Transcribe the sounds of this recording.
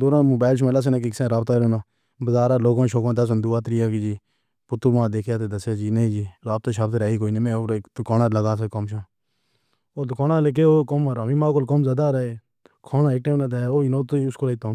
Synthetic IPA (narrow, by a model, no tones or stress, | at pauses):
d̪oːɾãːmʊːbaːlʃmelaːs̬enãːk̬ikɪsẽːɾaːbt̪aːɾonaː | bəzaːɾaːloːɡãːʃoːkãːd̪əs̬ənd̪uːaːt̪ɾijaːkid͡ʒiː | pʊt̪ːuːmãːd̪eːkʰjaːt̪eːd̪əsaːd͡ʒiːnəĩːd͡ʒiːɾaːb̚t̪aːʃaːbt̪ɾaːiːkoːiːnẽːmẽːoːɾd̪ʊkaːnãːləɡaːs̬kəmʃõː | oːd̪ʊkaːnãːlekeːoːkəmaɾãːmĩːmaːkolkəmzaːd̪aːɾəeː | kʰaːnãːeːk̚ʈeːmnãːt̪eːoːinoːt̪oiʊskoːliːt̪õː